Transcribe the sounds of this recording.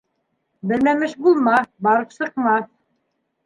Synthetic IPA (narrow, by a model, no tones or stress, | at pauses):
bɘ̆lmæmɘʃbulˠmɑbɑɾɤpsɤ̆q̚mɑθ